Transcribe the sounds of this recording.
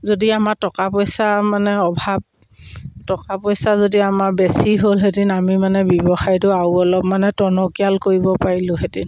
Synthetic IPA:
zodiamaɹtɔkapɔjsamanɛɔbʱab̚ | tɔkapɔjsazodiamaɹbesiɦolɦedinamimanɛbjɔbɔxajtʊawɔlɔpmanɛtɔnɔkialkoɹibɔpaɹilʊ̃ɦedin

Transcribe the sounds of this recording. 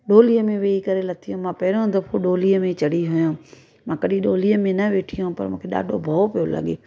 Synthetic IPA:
ɗoːlijəmẽʋeːikɐɾelɐt̪ʰijõmãːpɐɦɪɾõd̪ɐpʰoɗoːlijəmẽt͡ɕɐɽiɦʊjõː | mãːkɐɗĩɗoːlijəmẽnɐʋeːʈʰijõpɐ̰ɾmũːkʰeɗa̰ːɖʱobʱɐopijolɐ̰ɠḛː

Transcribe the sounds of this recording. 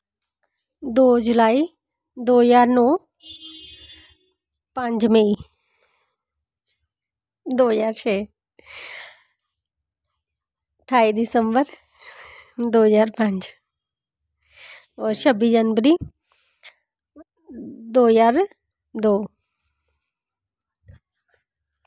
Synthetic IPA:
d̪oːd͡ʒʊlaːi | d̪oːjaːɾnɔː | pə̃ɲd͡ʒmẽi | d̪oːzaːɾt͡ʃʰɛː | ʈʰaːid̪ɪsəmbəɾ | d̪oːzaːɾpə̃ɲd͡ʒ | ɔːɾʃəbid͡ʒənʋəɾi | d̪oːzaːɾ | d̪oː

